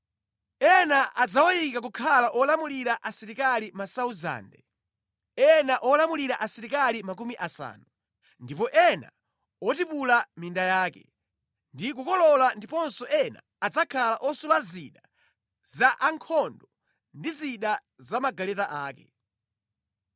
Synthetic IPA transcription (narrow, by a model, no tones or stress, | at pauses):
ɛnaʔad͡zawɔjikak̬ukʰalaʔɔlamuliɾaʔasiɾikalimasauza̰ːndɛ | ɛnaʔɔlamuliɾaʔasiɾikalimak̬umiʔasa̰ːnu | ndipɔʔɛna̰ | ɔtipulamindajaːkɛ̰ | ndik̬ukɔlɔlandipɔnsɔʔɛna̰ːd͡zakʰalaʔɔsulaziɗa | zaʔaŋkʰɔndɔ | ndiziɗa | zamaɡalɛtaʔaːkɛ̥